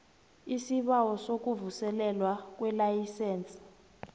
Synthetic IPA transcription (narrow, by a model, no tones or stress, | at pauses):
isiɓawɔsok̬uvusɛlɛlwak̬wɛlajisɛːnt͡sʼḁ